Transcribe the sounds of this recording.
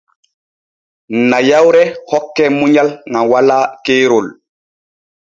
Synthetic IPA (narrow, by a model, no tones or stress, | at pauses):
najawɾɛhɔkːɛmuɲalŋawalaːkeːɾol